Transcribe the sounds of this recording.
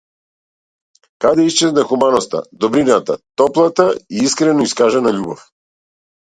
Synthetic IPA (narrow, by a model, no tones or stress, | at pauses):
kad̪ɛist͡ʃɛznɛxumanɔst̪a̰d̪ɔbɾinat̪a̰t̪ɔplˠat̪aiiskɾɛnɔiskaʒɛnaʎubɔf